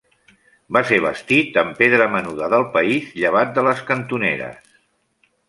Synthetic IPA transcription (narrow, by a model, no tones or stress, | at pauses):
baseβ̞ə̰st̪it̪əmpeðɾəmənuðəðəlˠpəizʎəβ̞at̪̚d̪ələskənt̪unḛɾə̰s